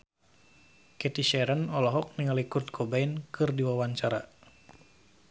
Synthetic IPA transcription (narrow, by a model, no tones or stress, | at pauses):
kɛt̪iʃɛɾənɔlɔɦɔk̚niŋalikut̪̚kʰɔbainkʰɨrdiwawaɲt͡ʃaɾa